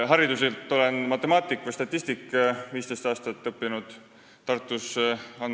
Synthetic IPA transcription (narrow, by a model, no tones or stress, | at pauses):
ɦɑɾid̪̥uselt̪ˑːo̞le̞nmɑt̪ːˑe̞mɑːt̪ːˑikːˑst̪ɑt̪ʲˑːist̪ikːˑviːst̪e̞jst̪ɑːst̪ɑt̪ːˑɤpːinud̪̥ | t̪ːɑrt̪ːˑusɑn